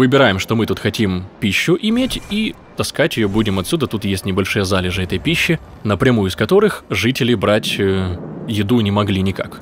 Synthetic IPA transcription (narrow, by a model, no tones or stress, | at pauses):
vɨbʲɪɾajɪmʂt̪o̞mɨt̪ut̪xɐtʲimpʲiɕːʊʔɪmʲetʲi | t̪ɐskatʲjɪjobudʲɪmɐt̪sʲud̪ət̪ut̪jesʲtʲnʲɪbɐlʲʂɨjəzalʲɪʐɨɛt̪əjpʲiɕːɪ | nəpɾʲɪmujʊɪskɐt̪o̞ɾɨxʐɨtʲɪlʲɪbɾatʲəjɪd̪unʲɪmɐɡlʲinʲɪka̰k